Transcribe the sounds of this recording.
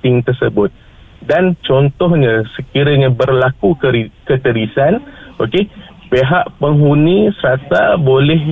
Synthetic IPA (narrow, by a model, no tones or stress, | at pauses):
t̪ɪŋt̪ərsəbʊt̪̚ | dant͡ʃɔnt̪ɔhɲəsəkiɾəɲəbərlakukəɾikət̪əɾisanʔoke | peɦaʔpəŋɦunĩsəɾat̪abolɛh